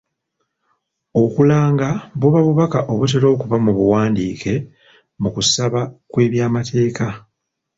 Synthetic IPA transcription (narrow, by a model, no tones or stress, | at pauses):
o̞kulaːŋɡaβuβaβuβakaʔo̞βut̬eɾo̞ːkuβamuβuwaːndiːke̞ | mukusaβakwe̞ːβjaːmatʰe̞ːka